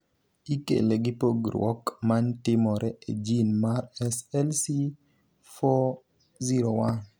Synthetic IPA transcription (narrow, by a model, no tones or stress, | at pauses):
ikḛleɡɪpoɡɾwɔ̰kmantɪmɔɾʔɛḛd͡ʒinmaɾɛsɛlsi | fo | ziɾowan